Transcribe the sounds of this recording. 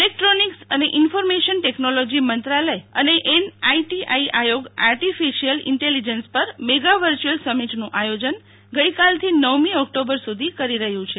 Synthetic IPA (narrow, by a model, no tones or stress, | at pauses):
elek̚ʈɾoniksəneʔɪnfɔɾmeʃənʈeknolod͡ʒimənt̪ɾaləjəneʔenaiʈiʔaiʔajoɡa̰ɾʈifiʃiəlɪ̰ɳʈelid͡ʒənspəɾmeɡaʋəɾt͡ʃuəlsəmiʈnũʔajod͡ʒən | ɡəikalt̪ʰinəʋmiɔk̚ʈobəɾsud̪ʱikəɾiɾəɦjũt͡ʃʰe